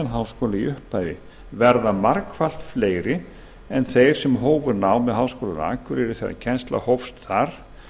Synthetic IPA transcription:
anɦawskoːlaiʔʏhpːaːjvɪ | vɛɾðamaɾkfal̥t̪fleːjɾɪ | ɛnθejɾ̥sɛmɦoːwvʏɾnawmɛðɦaːwskoːla̰na̰ːkʏɾɛɾɪ̥θḛɾa̰cʰɛnst̪la̰howfst̪θaɾ̥

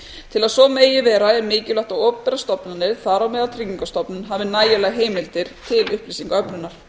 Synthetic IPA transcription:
t̪ʰɪlaðsɔmeːjɪvɛːɾaɛɾmɪːcɪlaht̪awɔpːɛɾast̪ɔpnanːɪðθaɾawmɛðat̪ʰɾiɲiŋkast̪ɔpnʏnɦaːvɪnaːjɪlaɣɦeːjmɪlt̪ɪɾ̥t̪ʰɪlʏhplisiŋkaœpnʏnːaɾ̥

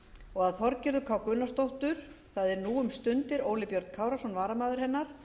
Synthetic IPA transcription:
ɔɣaðθɔɾcɪɾðʏkʰaːwkʏnːast̪owht̪ʏɾ̥ | θaðɛɾnuːʏmst̪ʏnt̪ɪɾoːwlɪpjœɾt̪kʰaːwɾasɔnvaːɾamaːðʏɾ̥hɛnːaɾ̥

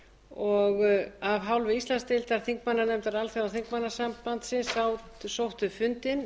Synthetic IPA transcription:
ɔɣavɦawlvɪist̪lanst̪ɪlt̪aɾ̥θiŋkmanːanɛmt̪aɾalθeawθiŋkmanːasampant̪sɪnsawt̪sowht̪ʏfʏnt̪ɪn

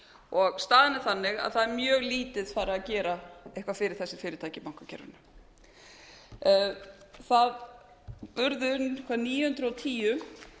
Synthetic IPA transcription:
ɔɣst̪aːðɪnɪ̥θanːɪɣa̰ðθaðɛɾmjœːɣliːt̪ɪðfaːɾɪacɛːɾaɛhkvafɪːɾɪɾ̥θɛsːɪ̥fɪːɾɪt̪ʰaːjcɪpawŋ̥kacɛ̰ɾvɪ̰nʏ | θað | pʏɾðʏʏnkʰvaniːjʏhʏnt̪ɾʏɔwt̪ʰiːjʏ

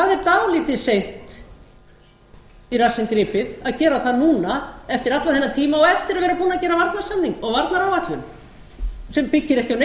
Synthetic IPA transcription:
θaːðɛɾt̪awliːt̪ɪðsejn̥t̪ | irasɪnkɾɪːpɪðaðcɛːɾaθaðnuːnaɛft̪ɪɾat̪laðθɛnːat̪ʰiːmaɔɣɛft̪ɪɾaðvɛːɾapuːnacɛːɾavaɾt̪naɾ̥sannːiŋkɔɣvaɾt̪naɾawvat̪lʏn | sɛmpɪcːɪɾɛhcɪawn

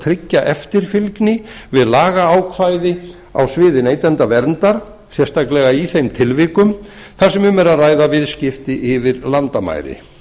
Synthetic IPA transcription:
t̪ʰɾɪcːaʔɛft̪ɪɾ̥fɪlknɪvɪðlaːɣaaːwkʰvajðɪ | a̰wsvɪːðɪneːjt̪ɛnt̪avɛɾnt̪aɾ̥ | sjɛst̪ʰaklɛɣaiθejmt̪ʰɪlvɪːkʏm | θaɾ̥sɛmʏmɛɾaðraːjðavɪðscɪft̪ɪʔɪvɪɾlant̪ama̰ːjɾɪ̰

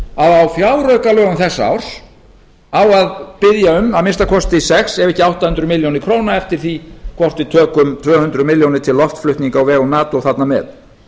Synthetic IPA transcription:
aðawfjaːwɾœɥkalœːɣamθɛsːaa̰ːwr̥s | awaðpɪðjaʏmaðmɪnst̪akʰɔst̪ɪisɛxsɛvɛhcːɪawht̪ahʏnt̪ɾʏmɪljownɪkʰɾoːwnaɛft̪ɪɾ̥θikʰvɔr̥t̪it̪ʰœːkʏmt̪ʰvœːhʏnt̪ɾʏmɪljownɪt̪ʰɪlːɔft̪flʏht̪niŋkawvɛːɣɔnaːt̪owθat̪namɛ̰ːð

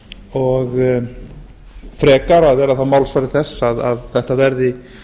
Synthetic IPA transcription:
ɔɣ | fɾɛːkaɾaðvɛːɾaθamaːwlsvaːɾɪθɛsːaðaðθɛht̪avɛɾðɪ

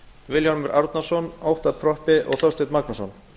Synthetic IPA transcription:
vɪljanmɛɾʔaɾt̪nasɔnawht̪apʰɾɔhpɪʔɔ̰ɣθɔwst̪ɪt̪maknasɔn

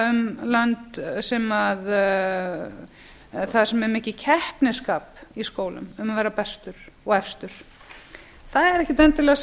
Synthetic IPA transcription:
ʏmlant̪sɛmað | θaðsɛmɛɾmɪːhcɪcʰɛhpnɪskaːpiskoːwlʏ̰mʏmavɛːɾapɛst̪ʏɾ̥ɔɣɛfst̪ʏɾ̥ | θaðɛɾɛhcɪt̪ɛnt̪ɪlɛɣs

